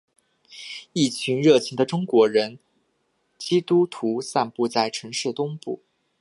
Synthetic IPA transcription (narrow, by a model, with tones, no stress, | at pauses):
i˥˩t͡ɕʰy˧˥nɻɤ˥˩t͡ɕʰi˧˥ŋd̪ə˧ʈ͡ʂʊ˥ŋkwɔ˧˥ɻə˧˥n | t͡ɕi˥t̪u˥t̪ʰu˧˥sa˥˧npu˥˧t͡sa˥˩ɪʈ͡ʂʰɤ˧˥ŋʂɻ̩˥˩t̪ʊ˥ŋpṵ˥˩